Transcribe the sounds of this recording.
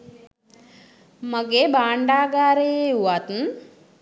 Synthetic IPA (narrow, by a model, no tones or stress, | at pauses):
mɐɡeːbaːɳɖaːɡaːɾeeuwaːt̪n